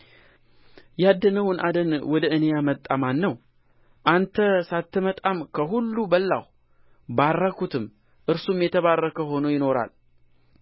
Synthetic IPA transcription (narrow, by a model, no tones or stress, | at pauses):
jad̪ːənəwnʔad̪ənwɔd̪əɨnejamət̪ʼːamanːəw | ʔant̪ʰəsat̪ʰːɨmət̪ʼamkʰəɦulːubəlːa̰w | barːəkut̪ʰɨm | ʔɨɾsumjɛt̪ʰəβarːəkəɦo̞nojɪno̞ɾa̰l